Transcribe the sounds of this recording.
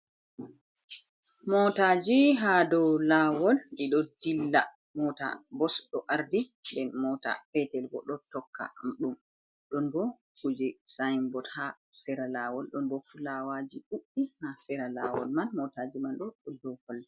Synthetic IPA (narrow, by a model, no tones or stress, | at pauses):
mɔtad͡ʒiɦadɔwlawɔliɗɔdilːa | mɔta̰bɔsɗɔʔaɾdindɛnmɔta̰pɛtɛlɡɔ̰ɗɔtɔkʰːa̰mɗum | ɗɔnbɔ | kud͡ʒisajmbɔtha | sɛɾalawɔlɗɔnbɔfulawad͡ʒiɗuʔːihasɛɾala̰wɔ̰lmanmɔtad͡ʒimanɗɔɗɔdɔhɔlː